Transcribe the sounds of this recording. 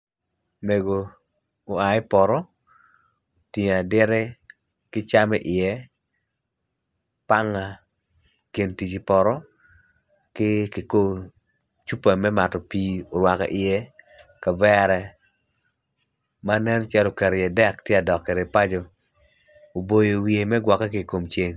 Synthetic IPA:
me˨ɡo˨ | o˨a˨ɪ˦pɔ˨ɾɔ˦ | ti˨ɲ˨a˨dɪ˦ɾɛ˦ | kɪ˦t͡ʃa˦mɛ˦ʔɪ˨jɛ˦ | pa˦ŋa˨ | ke˨nti˨t͡ʃi˨pɔ˨ɾɔ˦ | kɪ˦ki˨ko˦ | t͡ʃu˦pa˨mɛ˦ma˨tɔ˨piː˦o˨ɾwa˨ka̰˨ʔɪ˨jɛ˦ | ka˨bɛ˦ɾɛ˨ | ma˦nɛ˦nt͡ʃɛ˦lo˨kɛ˨ɾjɛ˨dɛ˦˨ktjɛ˦a˨dɔ˨kːɛ˨ɾe˨pa˦d͡ʒo˨ | o˨bo˨jo˨wie˨mɛ˦ɡwa˨kːa˦ki˨ko˨mt͡ʃe˦ŋ

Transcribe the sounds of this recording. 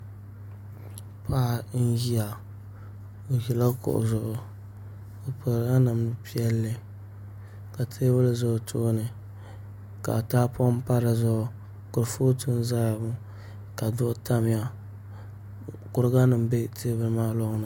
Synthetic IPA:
pʰa˦˨˦n̩˦ji˦a˨ | o˨ji˨la˦kʊ̰˨ʔʊ̰˨zʊ˦˨ʔʊ˨ | ka˨po˨ɾɡa˦nɨ˨m˦pi˦ɛ˦lːɨ˦ | ka˨tʰeː˦βɨ˦lzʊ˦˨tʰoː˦nɨ˨ | ka̰˨taː˦pɔ˦m˦pa˦ɾa˨zʊ˦ʔʊ˦ | kʊ˨ɾfoː˦tu˦n˦za˦ja˨bʊ˦ | ka˨dʊ˦ʔʊ˦ta˦m˦ja˦ | kʊ˨ɾɡa˦nɨ˨m˦be˦tʰeː˦bɨ˦lmaː˦lɔ˦ŋ˦nɨ˨

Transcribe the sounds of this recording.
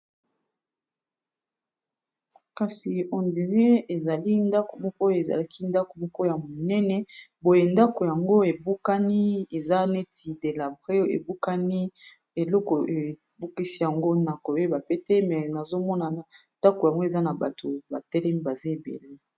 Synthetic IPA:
ka˨si˨ɔ˨ndi˨ʁe˦e˨za˨li˦nda˦ko˨mɔ˦kɔ˦e˨za̰˨la˦kʰi˦nda˦ko˨mɔ˦kɔ˦ja˨mo˨nɛ˦nɛ˨bo˦je˨nda˦ko˨ja˨ŋɡo˦e˨bu˦ka˦ni˦e˨za˦ne˦ti˨de˨la˨bʁe˦ḛ˨bu˦ka˦ni˦ | e˨lɔ˦kɔ˨e˨ | bu˦ki˦si˦ja˨ŋɡo˦na˨ko˨je˦ba˨pe˦te˦mɛ˨na˨zo˦mɔ˦na˨na˨nda˦ko˨ja˨ŋɡo˦e˨za˦na˨ba˨to˨ba˨tɛ˦lɛ˦mi˦ba˨za˦e˨bḛ˨le˦

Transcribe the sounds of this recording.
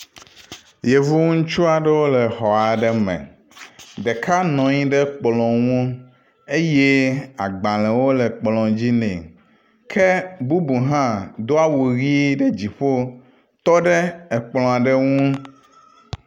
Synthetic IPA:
je˨vu˦ŋũ˦ŋ̩˦t͡ʃu˦a˨ɖɛ˦wo˦lɛ˨xɔ˨a˨ɖɛ˦mɛ̰̃˨ | ɖe˨kʰa˦nɔ̃˨ɲĩ˦ɖɛ˦k͡plɔ̃˨ŋũ˦ | e˦je˦a˨ɡ͡bã˨lɛ̃˨wo˦lɛ˨k͡plɔ̃˨d͡ʑi˦nɛ̰̃˨ | kʰɛ˦bu˦bu˨ɦã˦d̪o˦a˦wu˨ɣi˦ɖɛ˦d͡ʑi˨ɸo˦ | t̪ɔ˦ɖɛ˦ɛ˨k͡plɔ̃˨a˨ɖɛ˦ŋũ˦

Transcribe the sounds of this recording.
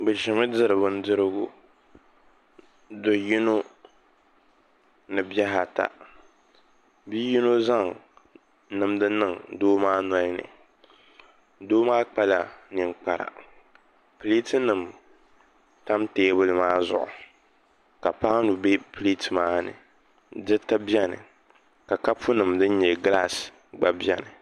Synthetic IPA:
bɨ˨ʃɛ˨mɨ˦dɨ˨ɾɨ˨bʊ˨n̩˦dɨ˦ɾɨ˦ɡʊ˦ | do˨ji˦no˦ | nɨ˨bjɛ˦ɦa˨ta̰˨ | bi˦ji˦no˦za˦˨ŋ | nɨ˨mdɨ˦nɨ˦˨ŋdoː˦maː˦na˦i˦nɨ̰˨ | doː˦maː˦k͡pa˦la˨nɨ˨ŋk͡pa˨ɾa̰˨ | pli˦tɨ˦nɨ˨m | ta˦mteː˦bʊ˦lɨ˦maː˦zʊ̰˦ʔʊ̰˨ | ka˨pa˦nu˨be˦pli˦tɨ˨maː˦nɨ̰˨ | dɨ˦ta˦bi˦ɛ˦nɨ̰˨ | ka˨ka˦pʰu˦nɨ˨mdɨ˦n˦ɲɛ˨ɡla˦˨s | ɡ͡ba˨bi˦ɛ˦nɨ˨

